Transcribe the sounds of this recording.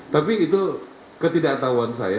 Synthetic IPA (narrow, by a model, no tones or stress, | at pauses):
t̪apiːt̪u | kət̪idakt̪auansa̰ja